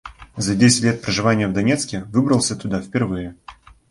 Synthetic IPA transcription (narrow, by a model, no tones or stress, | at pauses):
zɐdʲesʲɪ̥tʲlʲet̪̚pɾəʐɨvanʲɪjəvd̪ɐnʲet̪skʲɪvɨbɾəlˠsʲət̪ʊd̪afʲpʲɪrvɨjɪ